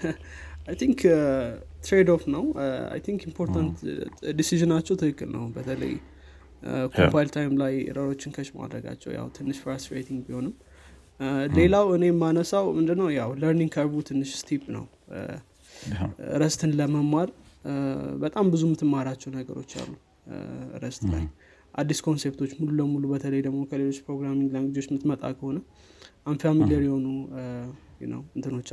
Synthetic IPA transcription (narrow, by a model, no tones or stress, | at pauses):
ajt̪ʰiŋk | t̪ɾed̪ofnəwa̰jt̪ʰiŋkimpʰo̞ɾt̪ʰant̪d̪isiʒɨnat͡ʃːɛwt̪ʰɨkɨkːɨlnə̰wbət̪ʰələ̰j | kʰopajlt̪ʰajmlajɾəɾo̞t͡ʃːɪnkʰəʃma̰d̪ɾə̰ɡa̰t͡ʃːɛ̰wja̰wt̪ʰɨnːɨʃfaɾsifɾḛjt̪ʰiŋɡbiho̞nɨm | le̞lawɨne̞manəsawmɨnd̪ɨnːəwjawləɾnĩŋkʰaβut̪ʰɨnːɨʃst̪ʰipnə̰w | ɨ̰ɾəst̪ʰɨnləməmaɾ | bət̪ʼambɨzumɨt̪ʰɨmːaɾat͡ʃːɛwnəɡə̰ɾo̞̰t͡ʃːa̰lːu | ɨ̰ɾəst̪la̰j | ʔad̪ːiskʰo̞nse̞pt̪ʰo̞t͡ʃːmululəmulubət̪ʰələjd̪əɡmo̞kʰəle̞lo̞t͡ʃːpɾo̞ɡɾamiŋɡlanɡɨzwot͡ʃːmɨt̪mət̪ʼa̰kʰəho̞nə | anfiamiljəɾjiho̞nu | jnə̰wɨnt̪ʰɨno̞t͡ʃː